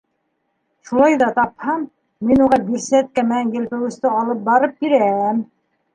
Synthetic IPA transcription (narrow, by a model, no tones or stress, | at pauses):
ʃulˠɑjðɑt̪ɑphɑmː | inuʁɑbiɾsæt̪̚kæmɘ̆nænjɘ̆lpɘ̆wɘ̆st̪ɘɑlˠɤp̚bɑɾɤp̚biɾææm